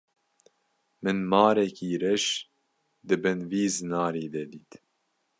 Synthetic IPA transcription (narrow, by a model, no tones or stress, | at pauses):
mɨnmɑːɾɛkiːɾɛʃ | d̪ɨbɨnviːzɨnɑːɾeːd̪ɛd̪iːt̪